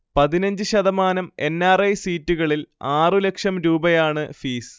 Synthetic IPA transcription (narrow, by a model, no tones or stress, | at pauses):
pɐðinɐɲd͡ʑɨɕɐðɐmaːnɐme̞nːaːrɐjsiːtːuɣɐɭilaːrɨle̞kʂɐmɾuːbɐjaːɳɨfiːs